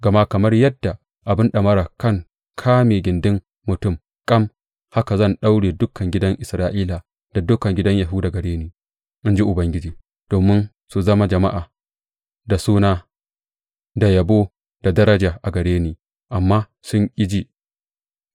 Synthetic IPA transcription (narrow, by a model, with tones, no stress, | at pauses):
ɡɐ˨ma˦kɐ˨mɐ˦rjɐ˦dːa˨ | ʔa˨bɪ˦nɗɐ˨mɐ˦ɾaː˨kɐ˦˨ŋ | kʰaː˦meː˨ɡʲɪ˨ndɪ˦m | mʊ˨tʊ˦˨m | kʼɐ˦m | ha˦ka˨zɐ˦˨nɗa˦wɽeː˨dʊ˦kʰːɐ˨ŋɡʲɪ˦dɐ˦ŋʔɪ˨sɾaː˦ʔiː˦la˨ | d̥a˨dʊ˦kɐ˨ŋɡʲɪ˦dɐ˦ɲjɐ˨ɦu˦da˨ɡɐ˨ɽeː˦niː˦ | ʔɪ˦nd͡ʒi˦ʔʊ˨bɐ˦ŋɡʲɪ˦d͡ʒiː˨ | d̥oː˨mɪ˦n | su˨zɐ˦ma˦d͡ʒɐ˨ma˦ʔaː˨ | da˨suː˦naː˦ | da˨jɐ˨boː˦ | d̥a˨dɐ˦ɾɐ˦d͡ʒaː˨ʔa˨ɡɐ˨ɽeː˦niː˨ | ʔa˨mːaː˦ | sʊ˦ŋkʲʼɪ˦d͡ʒiː˦